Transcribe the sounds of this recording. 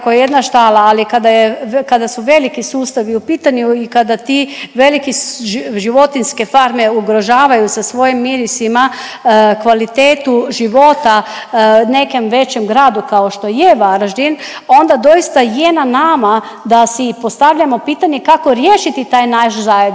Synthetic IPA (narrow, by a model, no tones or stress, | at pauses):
kojeje̞d̪naʃt̪aːlaːlikad̪ajekad̪asuʋe̞likisuːst̪aʋiupiːt̪aɲjuikad̪at̪iʋe̞likiʒiʋo̞t̪inske̞faɾme̞uɡɾo̞ʒaːʋajusasʋo̞jimːiɾisima | kʋalit̪eːt̪uʒiʋo̞t̪a | ne̞kemʋe̞t͡ɕe̞mɡɾaːd̪ukao̞ʃt̪o̞jeʋaɾaʒd̪in | o̞nd̪ad̪o̞ist̪ajenanama | d̪asipo̞st̪aʋʎamo̞piːt̪aɲe̞kako̞ɾjeːʃit̪it̪aːjnaʃzajed̪